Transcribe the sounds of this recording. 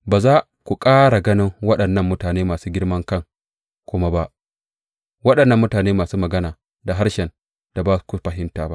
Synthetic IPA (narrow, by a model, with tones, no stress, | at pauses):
baː˨zaː˦ | kʷu˨kʼaː˦ɽa˨ɡɐ˦nɪ˦ŋwɐ˦ɗɐ˨nːɐ˦˨mːʊ˦taː˨neː˦maː˨suː˦ɡʲɪ˦ɽmɐ˦ŋkɐ˦ŋ | kʷʊ˦ma˦ba˦ʔ | wɐ˦ɗɐ˨nːɐ˦˨mːʊ˦taː˨neː˦maː˨suː˦mɐ˨ɡɐ˦naː˨ | da˨ɦa˦ɽʃɛ˨n | d̥a˨baː˦˨ku˨ɸɐ˨ɦɪ˦ntaː˨ba̰˦ʔ